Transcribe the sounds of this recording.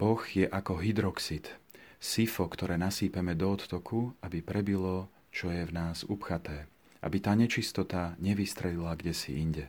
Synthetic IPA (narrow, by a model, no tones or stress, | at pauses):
b̥ɔxjɛʔakɔɦid̪ɾɔksit̪sifɔkt̪ɔɾɛːnasiːpɛmɛd̪ɔːt̪ːɔkʰuabipɾɛbilɔ | t͡ʃɔjɛvnaːzupxat̪ɛː | ʔa̰bit̪aːɲɛt͡ʃist̪ɔt̪aɲɛʋist̪ɾɛlilaɡɟɛsḭiɲɟɛ